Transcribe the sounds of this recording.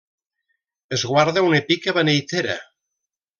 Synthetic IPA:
ezɣwaɾðaunepikaβanejt̪eɾa̰

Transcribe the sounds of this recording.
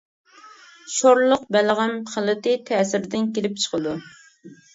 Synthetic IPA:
ʃoɾlˠʊqbælʁæmχəlˠɨt̪ɪt̪ʰæːsɪɾd̪ɪnkʲelɪp̚t͡ʃʰə̥qʰəd̪u

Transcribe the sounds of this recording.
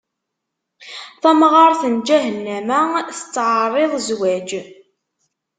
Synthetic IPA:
θæmʁɑɾˤθənd͡ʒæɦənːæmæθət͡sːʕərˤːeðˤzwæd͡ʒ

